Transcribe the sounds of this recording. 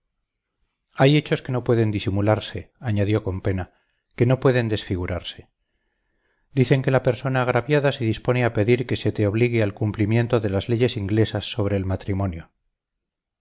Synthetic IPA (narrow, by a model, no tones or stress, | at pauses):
aje̞t͡ʃo̞ske̞no̞pwe̞ðe̞nd̪isimulaɾse̞aɲaðjo̞ko̞mpe̞na | ke̞no̞pwe̞ðe̞nd̪e̞sfiɣ̞uɾaɾse̞̥ | d̪iθe̞ŋke̞lape̞ɾso̞naːɣ̞ɾaβjaðase̞ðispo̞ne̞ape̞ðiɾke̞se̞t̪eo̞β̞liɣealkumplimje̞nt̪o̞ðe̞lazle̞ʝe̞siŋɡle̞sasːo̞β̞ɾe̞ːlmat̪ɾimõ̞njo